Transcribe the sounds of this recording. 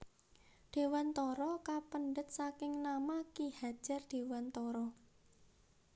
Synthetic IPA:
ɖ̥e̤want̪ɔɾɔkapənɖət̪̚sakɪŋnamakihḁʒ̥a̤rɖ̥e̤want̪ɔɾɔ

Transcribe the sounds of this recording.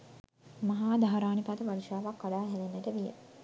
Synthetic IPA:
maɦaːd̪ʱaɦaɾaːnipat̪əʋaliʃaːʋakːaɖaːɦɛlenːəʈəʋijḛ

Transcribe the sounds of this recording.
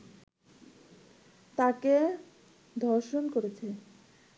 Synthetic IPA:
t̪ake | d̪ʱɔɾʃonkoɾet͡ɕʰe

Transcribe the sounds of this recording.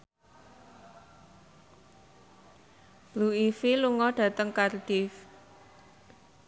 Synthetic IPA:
b̥luifiluŋɔɖ̥ä̤t̪əŋkarɖ̥if

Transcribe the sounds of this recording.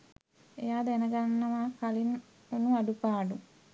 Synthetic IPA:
ejaːd̪enəɡanːɐʋaːkalin | onuaɖupaːɖu

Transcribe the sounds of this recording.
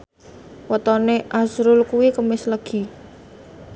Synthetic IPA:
wət̪ɔneʔazɾʊlkuwikəmɪsləɡ̥i̤

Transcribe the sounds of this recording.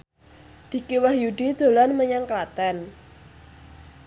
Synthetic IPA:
d̪̥i̤kiwahjuɖid̪̥o̤lanməɲaŋklat̪ɛn

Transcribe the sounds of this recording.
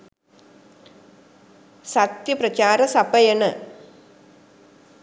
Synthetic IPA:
sɐt̪jɐprɐt͡ɕaːɾɐsɐbɐjɐɳɨ

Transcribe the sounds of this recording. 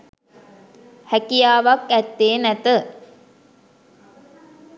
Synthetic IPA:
hækijaːʋakæt̪ːeːnæt̪ə

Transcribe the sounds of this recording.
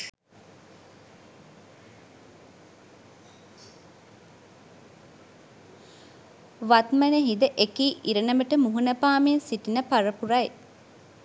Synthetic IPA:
ʋat̪mænəɦid̪əʔekiːʔiɾənəməʈəmuɦunəpaːmensiʈinəpaɾəpuɾaj

